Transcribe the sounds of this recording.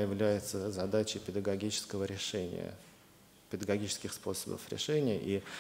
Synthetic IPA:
jɪvlʲæjɪt̪səzɐd̪at͡ɕɪjpʲɪd̪əɡɐɡʲit͡ɕɪ̥skəvəɾʲɪʂɛnʲɪ̰jə̰ | pʲɪd̪əɡɐɡʲit͡ɕɪ̥skʲɪxspo̞səbə̰fɾʲɪ̰ʂɛnʲɪjəʔi

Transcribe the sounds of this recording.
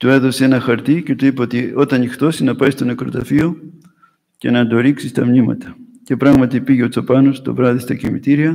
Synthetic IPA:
t̪ue̞ðo̞see̞nɐxɐɾt̪ice̞t̪uipɐot̪io̞t̪ɐnixt̪o̞sinɐpɐjst̪o̞nekɾo̞̰t̪ɐfio | ce̞̰nɐnd̪o̞ɾiksist̪ɐmnimɐ̰t̪ɐ̥ | ce̞pɾɐɣmɐt̪ipiʝeot͡sopɐnost̪o̞̰vɾɐðist̪ɐcimḭt̪iɾiɐ

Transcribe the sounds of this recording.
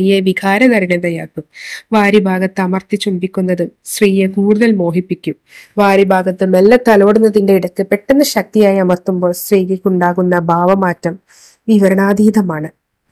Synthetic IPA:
ijeʋiɡaːɾɐnɐriɳɐðɐjaːkːumʋaːɾibʱaːɡɐt̪ːɐmɐrt̪it͡ɕːumbikʲːunːɐðɨsriːjekuːɽuðɐlmo̞ːɦipːikʲːum | ʋaːɾibʱaːɡɐt̪ːɨnɐlːɐt̪ɐlo̞ːɽunːɐðinde̞iɽɐkːɨpe̞ʈːenːɐɕɐk̚t̪ijaːjɐmɐrt̪umbo̞ːlsriːɣɐkʲːuɳɖaːɣunːɐbʱaːʋɐmaːtːɐm | ʋiʋɐɾɐɳaːd̪iːd̪ɐmaːɳɨ

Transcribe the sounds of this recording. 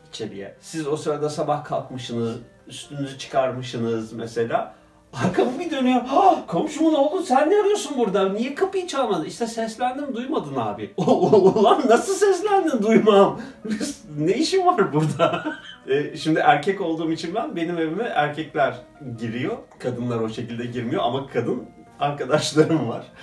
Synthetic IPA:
it͡ʃʰelʲḭjɛ̰sizo̞sɯɾad̪asabahkʰalˠkmɯʃɯnɯz | yst̪ʰynyzyt͡ʃʰɯ̥kʰaɾmɯʃɯnɯzmese̞lʲaː | aɾkʰamɯbid̪ø̞nyjo̞kʰo̞mʃumuno̞lˠd̪unsænːiaɾɯjo̞sunbuɾd̪anijɛkʰapɯjit͡ʃʰalˠmad̪ɯiʃt̪ʰɛsɛslʲænd̪imd̪ujmad̪ɯna̰ːbiolˠanːasɯlˠsɛslʲænd̪ind̪ujmambiznejiʃivaɾbuɾd̪aɛʃimd̪iʔæɾcʰɛco̞lˠd̪uːmit͡ʃʰinbænbe̞nime̞vimiʔæɾcʰɛclʲæɾɟiɾijo̞kʰad̪ɯnlˠaɾo̞ʃe̞cilʲd̪ɛɟiɾmijo̞amakʰad̪ɯn | aɾkad̪aʃlˠaɾɯmva̰ɾ̥

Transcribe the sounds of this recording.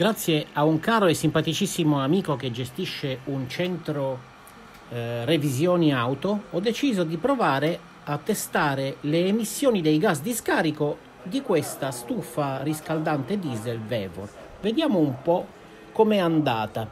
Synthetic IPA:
ɡ̥ɾat̪sːjeauŋkaːɾoesːimpat̪it͡ʃisːimoamiːkok̟ed͡ʒest̪iʃːeunt͡ʃɛnt̪ɾo | revizjoːniawt̪oɔd̪ːet͡ʃiːzod̪ipɾovaːɾe | at̪ːest̪aːɾeleːmisːjoːnid̪ejɡasd̪iskaːɾiko | d̪ikwest̪ast̪ufariskald̪ant̪ed̪izelvɛːvo̰ | ved̪jaːmoumpɔ | kːomɛand̪a̰ːt̪a

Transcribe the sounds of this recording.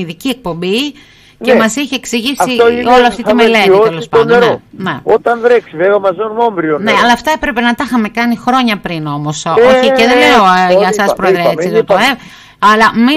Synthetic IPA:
iðiciek̚po̞mbi | cemɐsiçeeksiʝisioloɐftt̪it̪imele̞t̪it̪elospɐnd̪ɾoneot̪ɐnðɾeksiveɣomɐzenmombɾioneɐlɐːft̪ɐepɾepe̞nɐt̪ɐxɐme̞kɐnixɾo̞ɲɐpɾino̞mo̞soçieciðeleoʝɐsɐspɾoeðɾiɐesiðot̪oe | ɐlɐmi

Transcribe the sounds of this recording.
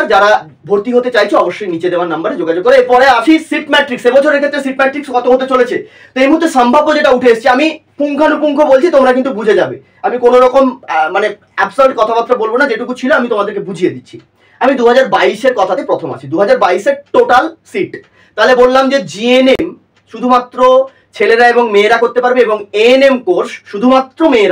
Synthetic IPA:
ɾd͡ʑaɾa | bʱoɾt̪iɦot̪et͡ɕajt͡ɕʰoɔboʃːojnit͡ɕed̪eoaɾnambaɾed͡ʑoɡad͡ʑoɡ̚kɔɾeepɔɾeaʃʰisiʈmɛʈɾiksebɔt͡ɕʰoɾeɾkʰet̪ːɾesiʈmɛʈɾikskɔt̪ʰoɦot̪et͡ɕolet͡ɕʰe | t̪oejmuɦuɾt̪ʰːeʃambʱabːod͡ʑeʈauʈʰeeʃt͡ɕʰiamipuŋkʰanupuŋkʰobolt͡ɕʰit̪omɾakint̪ubud͡ʑʱed͡ʑabe | amikonoɾɔkommane | ɛbsaɾɖkɔt̪ʰapat̪ːɾabolbonad͡ʑeʈukut͡ɕʰiloamit̪omad̪eɾkebud͡ʑʱijed̪it̪ːɕʰi | amid̪uɦad͡ʑaɾbaiʃeɾkɔt̪ʰat̪epɾot̪ʰoma̰t͡ɕʰid̪uɦad͡ʑaɾbaiʃeɾʈoʈalsiʈ | t̪aɦolebolːamd͡ʑed͡ʑienem | ʃud̪ʱumat̪ːɾo | t͡ɕʰeleɾaeboŋmeːɾakoɾt̪epaɾbeeboŋenemkoɾsʃud̪ʱumat̪ːɾomeːɾa

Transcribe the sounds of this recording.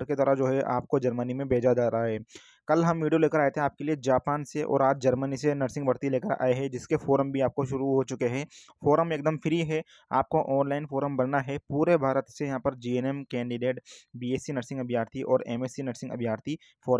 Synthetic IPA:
ɾket̪ɐɾəd͡ʒoːɦɛʔa̰ːp̚kod͡ʒɐɾmənimẽbʱeːd͡ʒad͡ʒaːɾaɦaɦɛː | kɐlɦɐmʋiːɖijoleːkəɾaːet̪eɦẽaːp̚kelied͡ʒaːpaːnseʔɔ̰ːɾaːd͡ʒd͡ʒɐɾmənisenɐʈsɪ̃ŋɡbɐɽt̪ileːkəɾa̰ːeɦɛd͡ʒɪskefoːɾəmbʱiaːp̚koʃʊɾuɦot͡ʃʊkeɦɛ̃ː | foːɾəmeːk̚d̪əmfʰɪɾiɦɛ | a̰ːp̚koʔɔːnlaːɪnfoːɾəmbɐɽnaɦɛpuːɾebʱaːɾət̪sejɐɦãpəɾd͡ʒiːeːnɛmkɛ̃ːɳɖiɖeːʈbiːeːsinɐʈsɪ̃ŋɡɐbʱijaːɾt̪ʰiʔɔːɾeːmeːsinɐʈsɪ̃ŋɡɐ̰bʱjaːɾt̪ʰi | foːɾ

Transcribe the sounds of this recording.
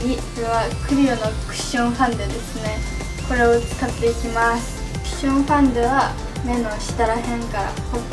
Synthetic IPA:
isɾeβakɯ̟ɾʲiɯnokɯ̟̥ɕõɰ̃ɸãnd̪ed̪e̞sɨne̞ | ko̞ɾe̞ot͡sɨ̥kat̪ːeikʲimasɨ̥ | kɯ̟̥ɕõɰ̃ɸãnd̪eβa | mẽ̞noɕi̥t̪aɾaɦẽ̞ŋkaɾa̰hat̪ː

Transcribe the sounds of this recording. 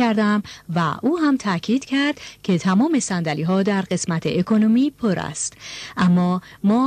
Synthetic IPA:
æɾd̪æmvæ̰ʔuːɦæmt̪ʰæcʰiːd̪̥cʰæɾd̪cʰe̞t̪ʰæmɒːme̞sænd̪æliːɦɒːd̪æɾɢe̞smæt̪ʰḛʔekʰonomiːpʰoɾæ̰st̪ʔæmːɒːmɒː

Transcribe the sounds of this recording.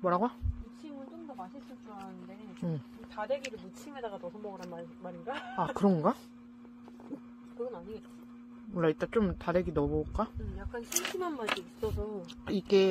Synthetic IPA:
mʌɾaɡwait͡ɕʰimɯnt͡ɕ͈omdʌmaɕʰis͈ɯt͡ɕ͈uanɯnde̞ | ɯ | tadeɡiɾɯmut͡ɕʰimedaɡatʌsʰʌmʌɡɯɾanamaɾinɡaakɯɾʌnɡa | kɯɡʌnaɲied͡ʑ | wʌɭːait͈at͡ɕ͈omtadeɡinʌbok͈aɯjak̚k͈ansʰiŋɕʰinanmad͡ʑiip̚s͈ʌsʰʌiɡe

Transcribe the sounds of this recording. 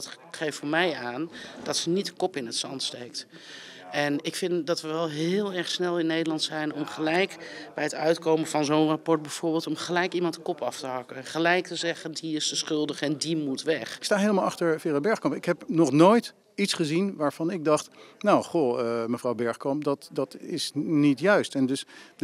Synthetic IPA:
dɑt | χejftfoːɹmɛjaːnd̥ɑtsənitəkɔpɪnətsɑntstejk̚t | ɛnɪkfɪndɑtʋəʋɛlˠɦɪːlˠɛɹχsnɛlˠɪnːejdəlɑntsɛjnɔmχəlɛjkbɛjɦətœɥtkowmənv̥ɑnzonrapɔɹt̚bɛjv̥ʊːɹbɪːlˠtɔmχəlɛjkimɑntə̥kɔpɑftəɦɑkənχəlɛjk̚təzɛχəndiɪstəsχʏlˠdəχɛndimutʋɛχɪkstaːɦejləmalˠɑχtəɹfɪːrabɛɹχkɑmpɪkɦɛpnɔχnoːjt | itsχəzinʋaːɹv̥ɑnɪɡ̚dɑχtnowχoəməvrɑwbɛɹχkɔmpdɑtdɑtɪsnitjœɥstɛndɵs

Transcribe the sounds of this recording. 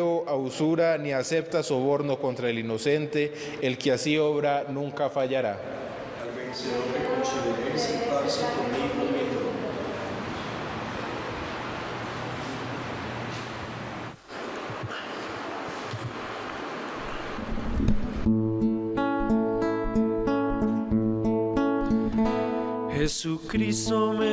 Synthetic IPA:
oʔausuɾaniase̞p̚t̪aso̞βo̞ɾno̞ko̞nt̪ɾaelino̞se̞nt̪e̞ | elkeasio̞βɾanũŋkafaʝaɾa | albenseorekonsuðeɾensent̪aɾsekond̪iŋkoent̪okomaa | hesukɾisome

